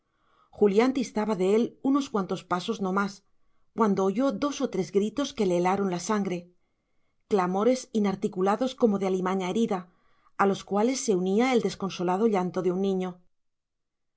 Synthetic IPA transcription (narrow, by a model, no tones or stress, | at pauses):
xuljant̪iest̪aβaðe̞e̞luno̞skwant̪o̞spaso̞zno̞mas | kwand̪o̞ːʝo̞ðo̞so̞t̪ɾe̞zɡɾit̪o̞ske̞leːlaɾo̞nlasaŋɡɾe̞ | klamo̞ɾe̞sinaɾt̪ikulaðo̞sko̞mo̞ðealimaɲae̞ɾiðaː | lo̞skwale̞sːe̞uniae̞ld̪e̞sko̞nso̞lað̞o̞ʎant̪o̞ðeunːĩɲo̞